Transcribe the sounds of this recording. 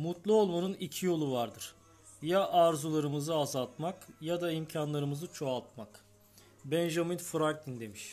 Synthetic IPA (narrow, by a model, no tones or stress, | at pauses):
mut̪lˠuo̞lˠmanɯnicʰijo̞lˠuvaɾd̪ɯɾ̥ | jaʔaɾzulˠaɾɯmɯzɯazalˠt̪makjad̪aimcʰanlˠaɾɯmɯzɯt͡ʃʰo̞alˠt̪mak | bɛnʒaminfɯɾak̚d̪ind̪e̞miʃ